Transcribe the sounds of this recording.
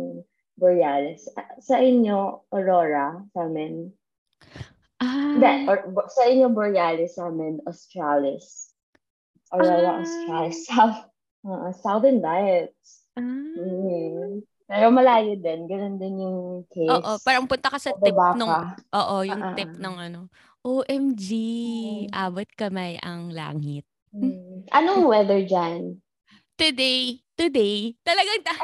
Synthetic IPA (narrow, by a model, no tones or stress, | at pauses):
boɹjaːlɪssɐʔɪɲjo̞ʔoɾoːɾɐsaːmɪn | ʔad̪ɛʔsɐʔɪɲjoboɹjaːlɪsaːmɪnost̪ɾalɪs | ʔoɾoɾɐʔost̪ɾals | ʔoʔosawðɛnbajɛt̪s̩ | pɛɾomɐlaːjod̪ɛnɡɐnond̪ɪnjʊŋkʰejoʔopaːɾɐŋpʊnt̪ɐkɐsɐtɪbaːnʊɐʔoːʔo̞jʊŋt̪ɪp̚nɐŋʔɐno̞ | ʔoːʔɛmd͡ʒiʔaːbot̪̚kɐmɐjʔɐ̰ŋla̰ːŋɪt̪̚ | ʔɐnowɛðɛɹd͡ʒan | t̪ʊd̪ejt̪ʊd̪ejt̪ɐlɐɡaŋt̪ɐ